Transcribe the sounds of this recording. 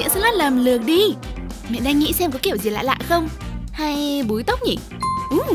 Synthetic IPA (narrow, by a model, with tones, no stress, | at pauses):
ə̰˧˥sə̰˧˦˥laː˦˥t̚lə˨˩mlɨ˨˩ək̚ɗi˧mḭ˧˨nɗaː˧ŋːḭ˧˥sɛ˧mk̬ɔ˨˦ki˧˩əwzi˨˩la̰ː˧˨jla̰ː˧˨jxə˧wŋ͡mha˧jɓu˨˦jt̪ə˦˥wk͡p̚ɲi˨˩ | ʔɨ˨˩